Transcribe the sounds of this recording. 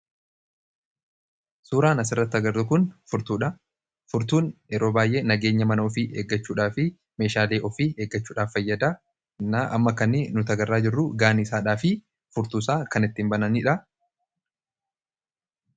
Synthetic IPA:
suːɾaːnɐs̬ɪrːɐt̪ːɐɡɐɾd̪ʊkʊnfʊɾt̪uːᶑɐ | fʊɾt̪uːnɛɾo̞ːbaːjʔe̞ːnɐɡeːɲːɐmɐnɐɔfiʔeːɡːɐt͡ʃːuːᶑaːfɪ | me̞ːʃaːleːʔɔfieːɡːɐt͡ʃːuːᶑaːfːɐjːɐd̪aː | nɐʔɐ̰mːɐkɐnːɪnʊt̪ɐɡɐrːaːd͡ʒɪrːʊɡaːnɪsaːᶑaːfɪ | fʊɾt̪uːsaːkɐnɪt̪ːɪmbɐnɐniᶑɐ

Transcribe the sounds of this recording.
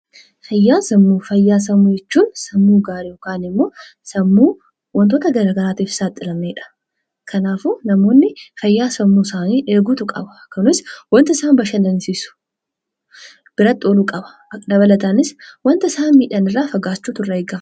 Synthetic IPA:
fɐjːaːsɐmːuːfɐjːaːs̬ɐmːujɛt͡ʃːuːnsɐmːuːɡaːɾɪjoːkaːnɪmːo̞ː | sɐmːuː | wɔnt̪oːt̪ɐɡɐɾaːɡɐɾaːt̪iːfɪ̥saːt̪ʼːɪlɐmneːᶑɐ̥ | kʰɐnaːfunɐmo̞ːnːɪfɐjːaːsɐmːuːsaːniːʔeːɡuːt̪ʊkʼɐ̰bɐkːɐnʊɪswɐnt̪ɪsaːnbɐʃɐnd̪ɐnsiːsʊ̥ | b̥ɪɾɐt̪ʼːoːlukʼɐbɐ̥ | d̪ɐbɐlɐt̪anɪswɐnt̪ɪsaːnmiːᶑɐnɪrːaːfɐɡaːt͡ʃːuːt̪ʊrːɐeːɡa

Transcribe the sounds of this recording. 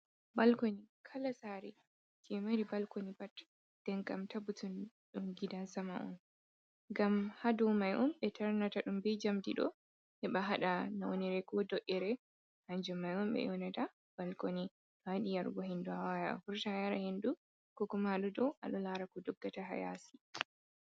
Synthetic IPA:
balkonikʰalasaːɾɛ | d͡ʒɛmaɾibalkonibat | d̥ɛŋkamtabutun | ɗumɡidasamaʔɔ̰n | ɡamhadɔwmajʔɔmɓɛtʰaɾnataɗumbɛd͡ʒamdiɗɔ̰ | hɛɓaɦaɗanawoniɾɛkɔdɔʔɛɾɛ | haɲd͡ʒumajɔmɓɛ̰jɔnata | b̥alkoni | ɗaɗijaɾɡɔhinduawajaa̰fuɾtahajaɾahindu | kɔkumaɗɔdɔwʔa̰ɗɔlaɾakɔdɔɡːataɦa̰ja̰si̥

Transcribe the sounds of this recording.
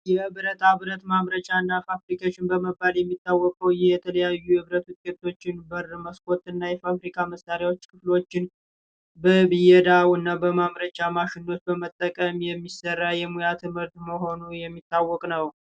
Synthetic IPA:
jɛbɨɾət̪ʰaβɨɾət̪maβɾət͡ʃʼaɨnːafafɾikʰat͡ʃːɪnbəməbːaljɛmːit̪ʰːawːɔkʼəwjɛt̪ʰələjajːuhɨβɾət̪wʊt̪ʼkʼet̪ʰo̞t͡ʃːɪnbərməskʼo̞t̪ʼɨnːajɛfafɾikʰaməsːaɾjawo̞t͡ʃːkʰɨflo̞t͡ʃːɪn | bəbɨjɛd̪awɨnːabəmaβɾət͡ʃʼamaʃɪnːo̞t̪bəmət̪ʼːəkʼəmjɛmːisərːajɛmujat̪ʰɨmhɨɾt̪məɦo̞nujɛmːit̪ʰːawːɔkʼnəw

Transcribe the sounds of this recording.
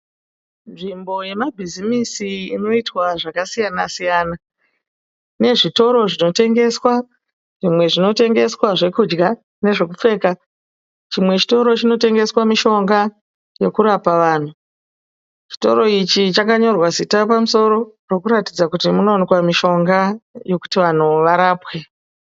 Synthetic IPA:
nʐimbo̞je̞mabʱizimisiino̞itwaʐakasijanasijaːna | ne̞ʐito̞ɾo̞ʐino̞te̞ŋɡe̞swa | ʐimwe̞ʐino̞te̞ŋɡe̞swaʐe̞kud͡ʒɡa | ne̞ʐe̞kup͡fe̞ːka | t͡ʃimwe̞t͡ʃi̥to̞ɾo̞t͡ʃino̞te̞ŋɡe̞swamiʃo̞ŋɡa | jo̞kuɾapaʋaːn̤u | t͡ʃi̥to̞̰ɾo̞it͡ʃit͡ʃakaɲo̞rwazitapamuso̞ɾo̞ro̞kuɾatid͡zakutimuno̞ːnikwamiʃo̞ŋɡajo̞ku̥tiʋan̤uʋaɾaːpwe̞

